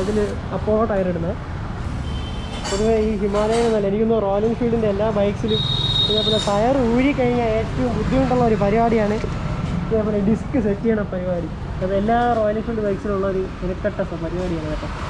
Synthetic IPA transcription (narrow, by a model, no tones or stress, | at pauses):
ɐðil | ɐpːoːoʈːɐjɐriɽunːɐ | poðuʋeiːɦimaːlɐjɐnenːaːlːenikʲːunːɐro̞ːliŋfiːɭɖindeelːaːbɐjksilumiɲːɐpːolːet̪ɐjɐruːɽikːɐɻiɲːae̞ːtːɐʋumbud̪ʱːiʋuɳɖuɭːɐo̞ɾupɐɾiʋaːɽijaːɳɨ | ɐpːolːeɖiskːɨsetːijaːɳɐpɐɾiʋaːɾikʲː | ɐpːɐelːaːro̞ːliŋfiːɖɨbɐjksiluɭːɐoɾueɾɐkːɐʈːɐsɐpɐɾiʋaːɽijaːɳɐɐpːɐ